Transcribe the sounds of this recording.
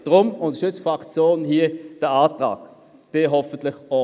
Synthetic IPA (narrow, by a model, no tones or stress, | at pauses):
d̥ʁʊmʊndʃʏt͡sfʁakt͡sjoːnɦiəd̥əaːtʁa̰ːk | d̥eːɦɔfən̩tlɪχɔ